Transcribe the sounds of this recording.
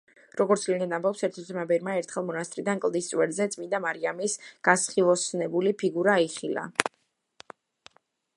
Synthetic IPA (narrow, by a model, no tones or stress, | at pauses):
ɾɔɡɔɾt̪sʰliɡ̪ɛd̪ambɔpsɛɾt̪ʰɔmabɛɾmaɛɾt̪ʰχɛlˠmɔnast̪ʼɾid̪ankʼlˠd̪ist̪sʼwɛɾzɛt̪sʼmind̪amaɾiamisɡ̥asχilˠɔsnɛbulipʰiɡuɾaiχila̰